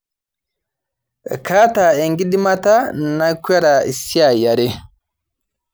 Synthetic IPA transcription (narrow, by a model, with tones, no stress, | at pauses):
ka˦ta˨ɛ˨ŋɡi˦di˦ma˦ta˦n˨na˦kwa˦ɾa˨i˨sja˨ja˨ɾe˦